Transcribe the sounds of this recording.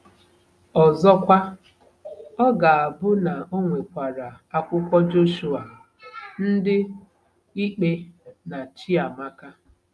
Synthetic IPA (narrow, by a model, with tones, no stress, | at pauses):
ɔ˨zɔ˦kʷa˦ | ɔ˦ɡa˨a˨bʊ˦na˨o˦ŋʷe˨kʷa˨ɾa˨ | a˦kʷʊ˦kʷɔ˦d͡ʒo˦ʃu˦a˨ | n̩˦dɪ˦ | i˦k͡pe˦na˨t͡ʃi˦a˨ma˦ka˦